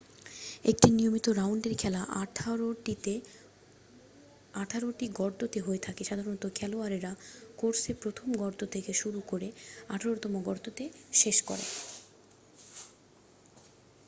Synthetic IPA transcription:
ek̚ʈiniomit̪oɾawɳɖeɾkʰɛlaʔʰoʈie | aʈʰaɾoʈiɡɔɾd̪ot̪eɦoet̪ʰakeʃad̪ʱaɾont̪okʰɛloaɾiɾakoɾsepɾot̪ʰomɡɔɾd̪ot̪ʰekeʃuɾukoɾea̰ʈʰaɾot̪ɔmoɡɔɾd̪ot̪eʃeʃkɔ̰ɾḛ

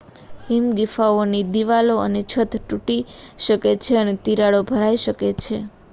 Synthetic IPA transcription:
ɦimɡifaonid̪iʋaloə̰net͡ʃʰət̪ʈuʈiʃəket͡ʃʰeənet̪iɾaɭobʱəɾaiʃəket͡ʃʰe

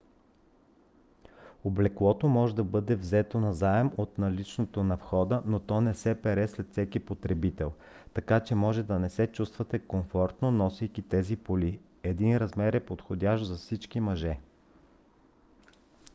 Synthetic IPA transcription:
oblɛklˠɔt̪omɔʒɛd̪ɐbɤd̪ɛvzɛt̪onɐzaɛmot̪nɐlit͡ʃnot̪onɐfxɔd̪ənot̪ɔnɛsɛpɛɾɛslɛt̪fsɛkipot̪ɾɛbit̪ɛlˠ | t̪ɐkat͡ʃɛmɔʒɛd̪ɐnɛsɛt͡ʃust̪vɐt̪ɛkoɱfɔɾt̪nonɔsijkit̪ɛzipoli | ɛd̪inɾɐzmɛɾɛpot̪xod̪ʲaʃzɐfsit͡ʃkimɐʒɛ

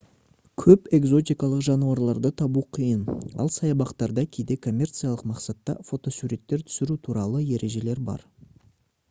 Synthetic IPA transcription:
kʲʰɵpe̞ɡzo̞t̪ijkɑlˠəqʒɑnuɑɾlˠɑɾd̪ət̪ʰɑbuqʰijənɑ̰lˠsɑjɑbɑqt̪ɑɾd̪ɑkʲʰejd̪e̞kʰo̞mʲːe̞rt̪sɨjalˠəqmɑqsɑt̪ːɑ̰fo̞t̪o̞suɾe̞t̪ːe̞ɾt̪ʰʏ̥sɪɾut̪ʰuɾɑlˠəje̞ɾe̞ʒe̞le̞ɾbɑ̰ɾ

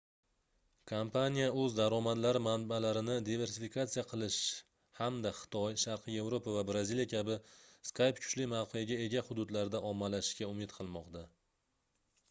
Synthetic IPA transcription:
kʰompʰanʲijaɵzd̪aɾɒmad̪laɾɪmanbalaɾɪnɪd̪ive̞ɾsɪfikʰat̪sɨijaqʰɨlˠɪʃ | hamd̪aχɨ̥t̪ʰɒjʃaɾqʰɨje̞vɾopʰavabɾaziljakʲʰabɪskʰajpkʰʊ̥t͡ʃlɪmawqʰɨjaɡʲae̞ɡʲahʊd̪ʊd̪laɾd̪aʔɒmːalaʃkʲaʊmɪt̪qʰɨlˠmɒqt̪ʰa

